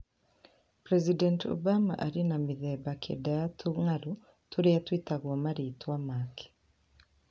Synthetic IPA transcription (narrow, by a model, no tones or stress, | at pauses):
pɾɛzidɛnto̰bama̰ʔaɾinamiðɛbakʰḛdaatʰuŋalu | tuɾeatwitaɣwɔmaɾitwamakʰe̥